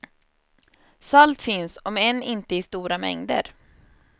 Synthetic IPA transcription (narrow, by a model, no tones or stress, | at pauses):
salt̪fɪnsɔmɛnːɪnt̪əɪst̪uːɾamɛ̰ŋd̪ə̰ɾ